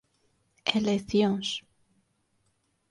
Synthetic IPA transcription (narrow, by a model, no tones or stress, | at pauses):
elekθjons